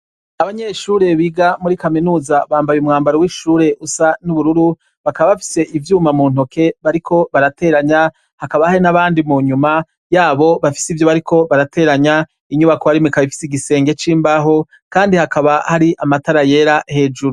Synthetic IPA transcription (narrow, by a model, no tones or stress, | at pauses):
aβaɲe̞ːʃuːɾe̞βiːɡamuɾikaminuːzaβaːmbajumŋaːmbaɾowiʃuːɾe̞ʔusanuβuɾuɾu | βakaβaβafi̥se̞ʔivjuːmamuːnho̞ke̞βaɾikʰo̞βaɾate̞ːɾaɲa | hakaβahaɾinaβaːndimuɲuma | jaːβo̞βafi̥sivjo̞βaɾikʰo̞βaɾate̞ːɾaɲa | iɲuβakohaɾimikaβifi̥siɡise̞ːŋɡe̞t͡ʃiːmbaɦo̞ | kaːndihakaβahaɾiʔamataɾaje̞ɾahe̞ːd͡ʒuɾu